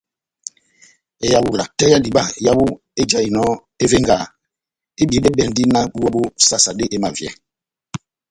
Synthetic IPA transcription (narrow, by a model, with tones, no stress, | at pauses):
e˨ja˨wu˨la˨tɛ˦ja˦di˨ɓa˦˨ja˦bu˦ | e˦d͡ʒa˨i˨nɔ˦ | e˦ve˦ŋɡa˨ | e˦bi˨˦ɓe˦ɓɛ˨n˦di˦na˦ɓu˦wɔ˦ɓo˦sa˦sa˨ɗe˦ʔe˦ma˨vjɛ̰˨